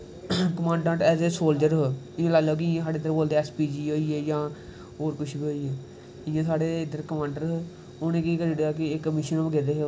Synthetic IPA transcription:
kəmãːɳɖãːʈɛːzeːsoːld͡ʒəɾɦ | ɪũlaːloːkɪɪjãːsaːɽeːd̪əɾboːld̪eɛːspiːd͡ʒiːɦoːiːeːjãː | oːɾkʊʃʰbiːɦoːiːeː | ɪjãːsaːɽeːɪd̪əɾkəmãːɳɖəɾɦ | onẽːkiːkəɾɽejaːkɪɪkːəmɪːʃənoːbəɡeːd̪eːɦe

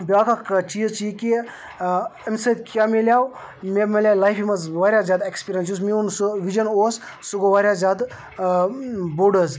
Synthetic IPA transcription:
bʲjaːkakt͡ʃiːzt͡ʃiki | ɐmsɐd̪ʲkjaːmelʲjaːw | memelʲjaːlajfʰimɐzʋaːɾʲjazjaːd̪aekspiɾʲjɐnsjus̬miunsʋid͡ʒɐnoːssuɡoʋaːɾʲjazʲjaːd̪ | buɖəz

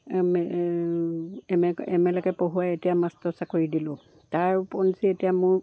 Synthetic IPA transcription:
mɛ | mɛɛmɛlɛkɛpoɦuwaetijamastɔsakoɹidilʊ̃ | taɹpɔnsietijamʊɹ

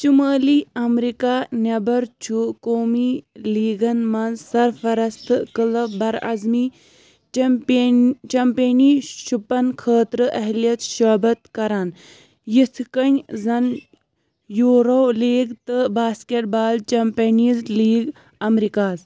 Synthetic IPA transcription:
t͡ʃuməːliːɐmɾikaːnʲɐbɐɾt͡ʃʰukoːmiːliːɡɐnmɐnzsɐɾfɐɾɐst̪ʰkɨlɐbɐɾɐ̰zmiː | t͡ʃɐmpeːniːʃupɐnkʰəːt̪ɾɨʔɐɦlijɐt͡sʃɐːbɐt̪kɐɾaːn | jit̪ʰkɐnʲzɐn | juːɾoːliːɡt̪ɨbaːskeʈ̚baːlt͡ʃɐmpeniːzliːɡ | ɐmɾikaːz

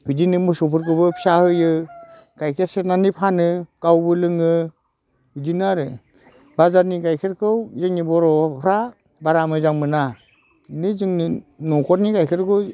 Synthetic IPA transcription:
hudinɯmɯsɔpʰɯɾk̬ɯbɯpʰi̥sahɯjɯ | ɡajkʰeɾset̚nanipʰanɯkawbɯlɯŋɯ | hujdinaɾ | bazaɾniɡajkʰeɾkʰɯwzɯŋnibɔɾɔpʰɾa | baɾamɯzaŋmɯna | nɯzɯŋninɔkʰɔtnikajkʰeɾkʰɯ

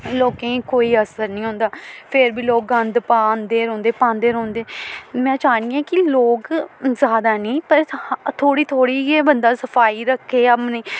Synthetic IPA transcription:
loːkẽːkoːiːəsəɾnĩːɦõːnd̪aːpʰɪɾbiːloːk̚ɡə̃nd̪paːnd̪eːɾõːnd̪eːpãːnd̪eːɾõɔ̃ːnd̪eːmɛ̃ːt͡ʃaːniːãːkɪloːkzaːd̪aːnĩːpəɾt̪ʰoːɽiːt̪ʰoːɽiːeːbənd̪aːsəpʰaːiːɾəkʰːeːəmnĩː

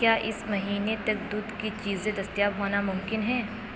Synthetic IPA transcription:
kjaːʔɪsmɐɦiːnet̪ɐk̚d̪ʊd̪kit͡ʃiːzẽd̪ɐst̪jaːbɦoːnamʊmkɪnɦɛ̃ː

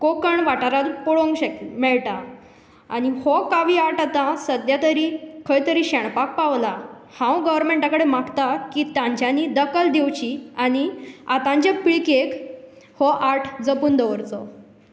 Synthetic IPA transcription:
kokəɳʋaʈaɾat̪pɔɭõŋɡɕekmɛɭʈa | añihɔkaʋiːaʈat̪ãsəd̪jat̪əɾikʰəjt̪əɾiːɕɛɳ̃pak̚paʋla | hãwɡəʋəɾmeɳʈãkəɽemakt̪akiːt̪ãɲt͡ɕjanid̪əkəld̪ewt͡ɕiañiat̪ãɲt͡ɕapiɭkek | hɔʔaʈʰd͡zəpuːnd̪əʋəɾt͡sɔ

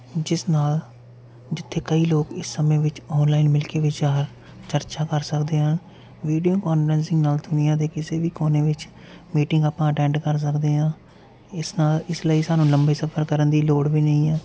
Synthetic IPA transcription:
d͡ʒɪsnaːl | d͡ʒɪt̪ʰːeːkəiːloːkɪsːəmẽːʋɪt͡ʃɔːnlaːinmɪlkeːʋɪt͡ʃaːɾ | t͡ʃəɾt͡ʃaːkəɾsəkd̪eːɦən | ʋiːɖijoːkɔːnfəɾɛ̃nsɪ̃ŋɡnaːlt̪ʰʊnijãːd̪eːkɪseːʋiːkoːneːʋɪt͡ʃ | miːʈɪ̃ŋɡaːpãːəʈɛ̃ːɳɖkəɾs̬əkd̪eːɦãː | ɪsnaːlɪsləiːsaːnũːləmbiːsəpʰəɾkəɾənd̪iːloːɽʋiːnəĩːɛː

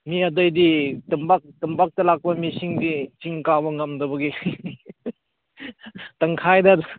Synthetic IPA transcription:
miɐdɔjditɯmbak̚tɯmbak̚tɐlak̚pɐmisiŋdit͡ʃiŋkabɐŋɐmdɐbɐɡi | tɐŋkʰajdad

